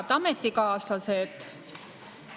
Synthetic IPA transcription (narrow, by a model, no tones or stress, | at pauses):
t̪ɑmet̪ːˑikɑːsɑset̪ːˑ